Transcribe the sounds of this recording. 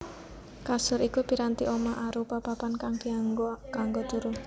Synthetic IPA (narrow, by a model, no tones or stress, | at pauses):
kasʊɾikupi̤ɾant̪iʔomaʔaɾupapapankaŋɡ̥iaŋɡokaŋɡod̪̥ṳɾʊ